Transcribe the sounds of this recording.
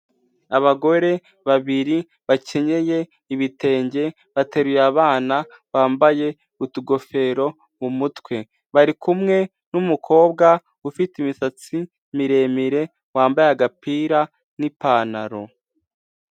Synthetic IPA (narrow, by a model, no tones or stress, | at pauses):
aβaɡo̞ɾe̞ | βaβiɾi | βace̞ɲe̞je̞ | iβite̞ːɲɟe̞ | βate̞ɾujeaβaːna | βaːmbaje̞ | utuɡo̞fe̞ɾo̞ | mumutwe̞ | βaɾikumŋe̞ | numukʰo̞ːb̚ɡa | ufitimisat͡si | miɾe̞ːmiɾe̞ | waːmbajaɡapiːɾa | nipaːnaɾo̞